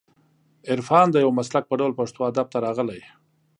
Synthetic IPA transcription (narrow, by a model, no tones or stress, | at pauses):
ɪɾfɑnd̪əjawmaslak̚pəɖawlpaʂt̪oad̪ab̚t̪aɾɑɣəlaj